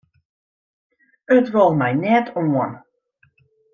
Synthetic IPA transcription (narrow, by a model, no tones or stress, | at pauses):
ətʋɔlˠmɛjnɛtʰoən